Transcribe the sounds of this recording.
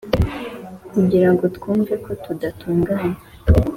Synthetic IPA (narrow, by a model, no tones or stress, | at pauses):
kuɟiɾaŋɡo̞tkuːɱve̞ko̞tudatuːŋɡaan